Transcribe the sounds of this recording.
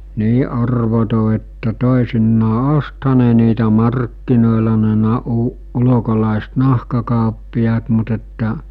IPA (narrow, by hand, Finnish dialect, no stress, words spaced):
niː ɑrʋoto etːæ toˑesinːɑː osthɑ ne niːtæ mɑrkːinoˑelɑ ne nɑ u ulokolɑˑest nɑhkɑkɑˑopːiɑːt mut etːæ